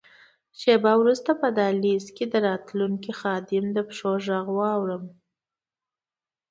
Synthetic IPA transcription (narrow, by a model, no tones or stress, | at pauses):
ʃebawɾust̪apəd̪ɑlisked̪əɾɑt̪luŋkixɑd̪ɪmd̪əpʂoʒaɣwɑwɽəm